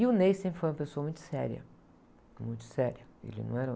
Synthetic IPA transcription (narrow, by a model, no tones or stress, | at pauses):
ɪʊnejsẽpɾɪfojumɐpesoɐmũj̃t̪ʊ̥sɛ̰ɾjɐ̰ | mũj̃t̪ʊ̥sɛɾɐḛlɪ̰nɐ̰̃w̃ɛɾɐ